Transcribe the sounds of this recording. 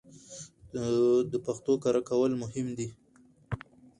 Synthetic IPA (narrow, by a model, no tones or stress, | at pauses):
d̪əpaxt̪okaɾakawəlmʊhɪmd̪i